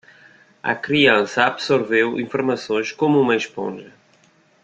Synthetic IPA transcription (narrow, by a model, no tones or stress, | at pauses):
ɐ̰kɾiɐ̃sɐabsoɾvewĩfuɾmɐsõj̃ʃkomuumɐeʃpõ̰ʒɐ